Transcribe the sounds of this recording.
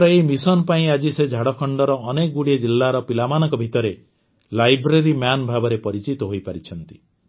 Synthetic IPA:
ɾɔeimisɔnpaĩad͡ʒised͡ʒʱaɽɔkʰɔɳɖɔɾɔːnekɔɡuɽied͡ʒilːaɾɔpilamanɔŋkɔbʱit̪ɔɾe | lajbɾeɾimjanbʱabɔɾepɔɾit͡ʃit̪ɔɦojpaɾit͡ʃʰɔn̪t̪i̥

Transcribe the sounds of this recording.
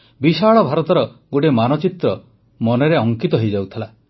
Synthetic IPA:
bisaɭɔbʱaɾɔt̪ɔɾɔɡoʈemanɔt͡ʃit̪ɾɔ | mɔneɾeɔŋkit̪ɔɦejd͡ʒawt̪ʰala

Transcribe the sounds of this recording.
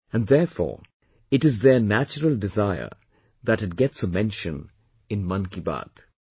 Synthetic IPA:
æ̃nðɛɹfɔ̰ːɹ | ɪʈɨzðə˞næt͡ʃəɾəlˠdɪzaɪə̰˞ | ðæɾɨt̚ɡɛtsəmɛ̃nʃə̃n | ɨ̃nmʌ̃nkiba̰d̪̥

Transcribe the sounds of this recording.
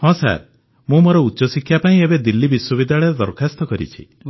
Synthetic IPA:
hɔ̃sa̰ɾ | mũmoɾɔutːʃɔsikʰjapaĩebed̪ilːibiswɔβid̪ʱaɭeɾɔd̪ɔɾkʰast̪ɔkɔɾḭt͡ʃʰḭ

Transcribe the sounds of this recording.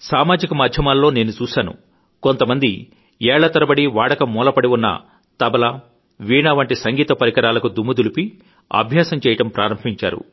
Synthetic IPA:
saːmaːd͡ʒikɐmaːd̪ʱjɐmaːlːo̞ːne̞ːnut͡ʃuːsaːnṵ | kont̪ɐmɐnd̪i | ɛːɭɐt̪ɐɾɐbɐɽiʋaːɽɐkɐmːɔːlɐpɐɽiwunːɐ̰ | t̪ɐbɐlɐ | ʋiːɳɐʋɐɳʈisɐŋɡiːt̪ɐpɐɾikɐɾaːlɐkud̪umːud̪ulipi | ɐ̰bʱjaːsɐmt͡ʃɛːjɐʈɐmpɾa̰ːɾɐmbʱiɲt͡ʃa̰ːɾṵ

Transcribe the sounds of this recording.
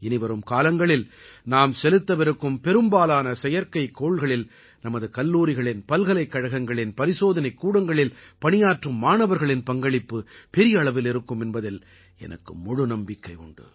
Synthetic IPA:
ɛnɪʋɐɾɯmkaːlɐŋɡɐɭɪlnaːmsɛlɯt̪ːɐʋɪɾɯkːɯmpɛɾɯmbaːlaːnɐsɛjɐɾkɐɪkːoːɭɣɐɭɪl | nɐmɐðɯkɐlːuːɾɪɣɐɭɪnpɐlɣɐlɐɪkːɐɻɐɣɐŋɡɐɭɪnpɐɾɪsoːðɐnɐɪkːuːɽɐŋɡɐɭɪlpɐnɪjaːʈrɯmːaːnɐʋɐɾɣɐɭɪnpɐŋɡɐɭɪpːɯpɛɾɪjɐːɭɐʋɪlɪɾɯkːɯmɛnbɐðɪl | ɛ̰nʔɐ̰kːɯmːʊɻɯnɐmbɪkːɐɪɔ̰ɳɖɯ̰

